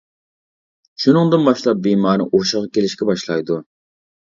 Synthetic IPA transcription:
ʃunɨŋd̪ɨnbɑʃlˠɑp̚bimɑːɾnɨ̰ʔoʃəʁɑkʲelɪʃkʲɛbɑʃlˠɑjd̪u

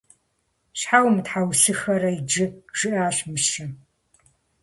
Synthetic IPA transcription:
ɕħawmtħawsɨxɐɾɐid͡ʒɨʒ̥ɨʔaːɕmɨʃɪ

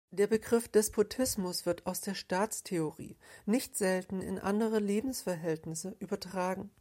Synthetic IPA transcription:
d̥eːɐbəɡʁɪfd̥ɛspʰotʰɪsmʊsv̥ɪɐtʰaʊsd̥eːɐʃtaːt͡stʰeoʁḭːnɪçtz̥ɛltn̩ɪ̰nʔa̰ndəʁ̞əleːbm̩sfɛɐɦɛltnɪsəʔyːbɐtʁ̥aːɡŋ̩

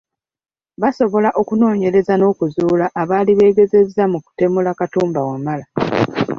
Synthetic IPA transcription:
βaso̞βo̞laʔo̞kuno̞ːɲe̞ɾe̞zano̞ːkuzuːlaʔːβaːliβe̞ːɡe̞ze̞zːamuku̥te̞mulakatuːmbawamala

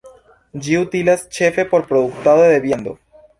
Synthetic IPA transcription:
d͡ʒiut̪ilast͡ʃe̞fe̞po̞ɾpɾod̪uk̚t̪aðoðeβjand̪o̰

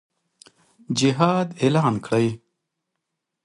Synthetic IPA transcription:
d͡ʑiɦaːd̪elaːnkʰɽəj

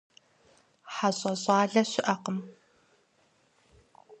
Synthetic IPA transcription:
ħaɕʼɐɕʼɑːɮɐɕɪʔɐqəm

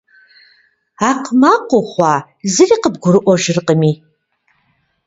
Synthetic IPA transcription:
aqʰmaqʷoχʷa | zɨriːqəbɡʷʊrɨʔʷɔʒɪrqʼəmi

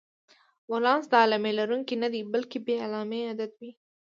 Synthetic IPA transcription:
wolɑːnsd̪aɑlamelaɾuŋkinad̪ibalkebealɑːmead̪at̪wi

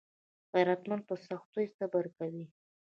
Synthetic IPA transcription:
ɣajɾat̪mand̪̚pəsaxt̪ujsabaɾkawi

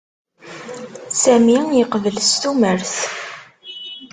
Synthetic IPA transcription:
sæmijəqvəlst̪uməɾθ

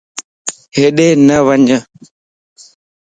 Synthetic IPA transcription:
ɦeɗeːnəʋəɲə

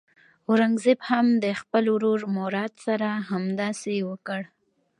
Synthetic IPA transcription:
ʊɾaŋɡzɪbhamd̪əxpəlɾuɾmoɾɑd̪saɾaɦamd̪ɑsewəkəɽ

